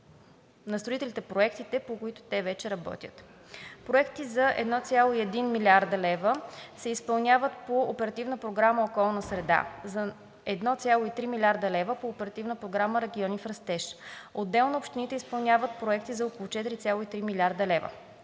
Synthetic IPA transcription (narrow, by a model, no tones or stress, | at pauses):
nɐst̪ɾoit̪ɛlit̪ɛpɾoɛkt̪it̪ɛpokoit̪ʊ̥t̪ɛvɛt͡ʃɛɾɐbɔ̰t̪ʲjə̰t̪ | pɾoɛkt̪izɐʔɛ̰d̪nɔt̪sʲjalˠoiɛd̪inmilʲaɾd̪əlɛvəsɛispɐlˠnʲjavət̪poːpɛɾɐt̪ivnəpɾoɡɾaməokɔlˠnəsɾɛd̪a̰zɐ | ɛd̪nɔt̪sʲjalˠoit̪ɾimilʲaɾd̪əlɛvəpoːpɛɾɐt̪ivnəpɾoɡɾaməɾɛɡʲiɔnifɾɐst̪ɛʃod̪ːɛlˠnoopʃt̪init̪ɛispɐlˠnʲavət̪̚pɾoɛkt̪izɐokolˠʊt͡ʃɛt̪iɾit̪sʲjalˠoit̪ɾimilʲiaɾd̪əlɛvə̰